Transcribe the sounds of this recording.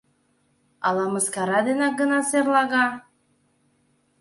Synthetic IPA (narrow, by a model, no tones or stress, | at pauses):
ɑlɑmɤskɑɾɑd̪enɑk̚ɡənɑserlɑɣɑ